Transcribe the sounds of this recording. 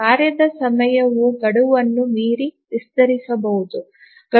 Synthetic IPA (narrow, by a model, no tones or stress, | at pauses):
aːɾjɐd̪ɐsɐmɐjɐʋuɡɐɽuʋɐnːumiːɾiʋist̪ɐɾisɐbɐɦud̪u | ɡ̥ɐ